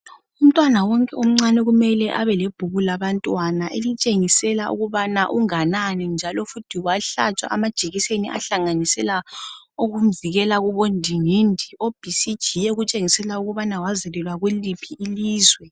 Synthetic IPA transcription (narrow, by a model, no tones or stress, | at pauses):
um̩tʼwanawɔŋkʼɛum̩ŋ͡ǀanɛɣumɛlɛʔaβɛleb̥ʱuɣulaβantʼwanaʔelit͡ʃʼeŋisɛlaʔṵɣuβanaʔuŋananɛnd͡ʒʱalɔfutʰiwaɬa̰t͡ʃʼa̰ʔːmad̥ʒ̥ʱiɣiseniʔa̰ɬaŋanisɛla | uɣum̩viɣɛlaɣuβondʱiŋindʱiob̥ʱisid̥ʒ̥ʱijɛɣut͡ʃʼeŋisɛlauɣuβanawazɛlɛlwaɣulipʰiʔːliːzwɛ